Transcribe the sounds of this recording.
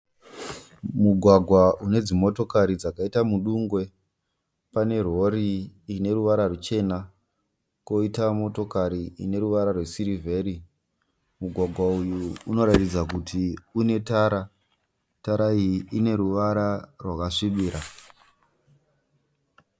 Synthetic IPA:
muɡʱwaɡʱwaune̞d͡zimo̞to̞kaɾid͡zakaitamuɗuŋɡwe̞ | pane̞ro̞ɾiːne̞ɾuʋaɾarut͡ʃe̞na | ko̞itamo̞to̞kaɾiine̞ɾuʋaɾarwe̞siɾivʱe̞ɾi | muɡʱwaɡʱwaujuuno̞ɾatid͡zakutʰiune̞taːɾa | taɾaiiʔine̞ɾuʋaɾarwakaʂiɓiːɾa

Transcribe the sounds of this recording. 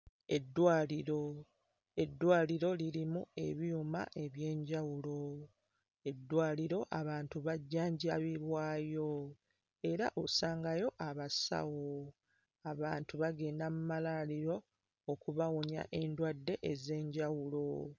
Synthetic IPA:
e̞dːwaːliɾo | e̞dːwaːliɾo̞liɾimue̞̰βiuma̰ʔe̞βje̞ːɲɟawulo̞ | e̞dːwaːliɾo̞ʔaβaːntuβaɟːaːɲɟaβiβwaːjo̞ | e̞ɾaʔosaːŋɡajo̞ʔaβasa̰wo | aβaːntuβaɡe̞ːndamumalaliɾo̞ː | kuβawoɲa̰ʔe̞ndwadːe̞ʔeze̞ːɲɟawulo̞

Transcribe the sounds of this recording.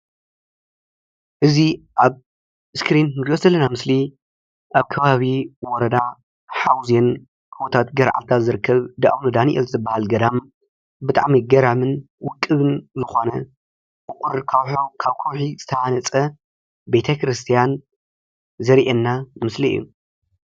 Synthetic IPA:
ʔɨziʔaβ | ɨskɾinɾiozɐlːɐnamɨsli | ʔaβkʰɐβaβiwɔɾɐd̪a | ħawzen | kʰɨwɔt̪ʰat̪ɡɐɾʕa̰lt̪ʰazɨɾɨkʰːɐβd̪aʔwnud̪aniʔɛ̰lzɨbːahalɡɐd̪am | bɨt̪ʼa̰ʕmiɡɐɾamɨn | wʊkʼːɨβɨnzɨxo̞nɐ | kʼɨkʼʊɾkʰɐwħokʰaβkʰɐwħiz̥ɨt̪ʰɐʔanɐt͡sʼɐ | bet̪ʰɐkʰɾɨst̪ʰijan | zɐɾʔenːamɨsliɨ̰jːṵ

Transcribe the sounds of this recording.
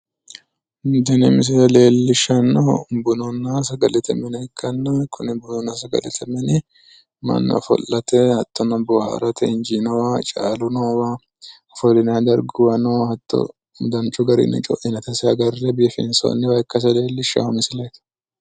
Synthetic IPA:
nd̪ɪnɛmɪs̬ɪlɐleːlːɪʃːɐnːɔbʊnɔnːasɐɡɐlɛt̪ʰɐmɛnɐɪkʰːɐnːɐkʰʊnɪbʊnɔnːɐsɐɡɐ̰lɛt̪ʰɐmɛnɪ | mɐ̰nːɐ̰fɔ̰lːɐt̪ɛhɐt̪ʰːɔnɐbɔhɐ̰ɾɐt̪ʰɛɪnd͡ʒinɔwaːt͡ʃʼa̰ːlʊnowaː | ɐfɔlɪnɛɐd̪ɐɾɡʊwɐnohɐt̪ːɔ̰ | d̪ɐnt͡ʃʼʊɡɐɾɪ̰nɪ̰t͡ʃʼɔ̰ʔɪnɐt̪ɛsɪɐɡɐrːɛbiːfɪ̰nso̰nːɪwɐjkːɐs̬ɐle̞ːlːɪʃːa̰mɪsɪlɐjt̪

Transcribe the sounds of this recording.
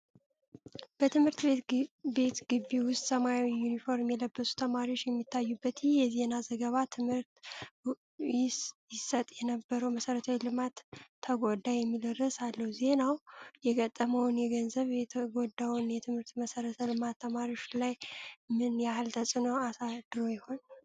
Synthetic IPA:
b̥ət̪ʰɨmhɨɾt̪be̞t̪ɡ̥ɨbːiwʊst̪ʼsəmajawijunifo̞ɾmjɛləbːəsu̥t̪ʰəmaɾiot͡ʃːjɛmːit̪ʰːajːubːət̪jɪhjɛze̞nazəɡəβat̪ʰɨmhɨɾt̪ | jɪsət̪ʼjɛnəbːəɾəwməsəɾət̪ʰawilɨmat̪ʰːəɡod̪ːajɛmːilərːəsalːəhuze̞nawjɛkʼət̪ʼːəməwnjɛɡənzəβjɛt̪ʰəɡod̪awnjɛt̪ʰɨmhɨɾt̪məsəɾət̪ʰəlɨmat̪ʰːəmaɾio̞t͡ʃlajmɨnjahɨlt̪ʰəsʼɨnoasad̪̥ɨɾo̞jɪho̞n

